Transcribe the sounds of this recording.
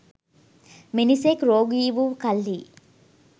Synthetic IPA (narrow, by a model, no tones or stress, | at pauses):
minisekɾoːɡiːʋukɐlːiː